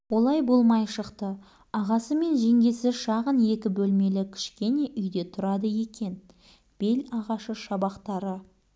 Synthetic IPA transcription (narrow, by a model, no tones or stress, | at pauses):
wo̞lˠɑjbo̞lˠmɑjʃəqt̪ə | ɑʁɑsəme̞nʒe̞ŋɡʲe̞sɪʃɑʁənje̞kʲɪbɵlme̞lɪkʲʰɪ̥ʃkʲe̞ne̞ʔʏjd̪e̞t̪ʰʊɾɑd̪əje̞kʲe̞n | b̥e̞lɑʁɑʃəʃɑbɑqt̪ɑɾə